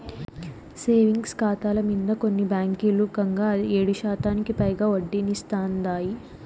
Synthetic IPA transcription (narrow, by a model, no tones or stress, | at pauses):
seːʋiŋɡskaːt̪aːlɐmind̪ɐkonːibaːŋkiluɡɐŋɡaːeːɽuʃaːt̪aːnikipɐjɡaːoɖːinist̪aːnd̪aːji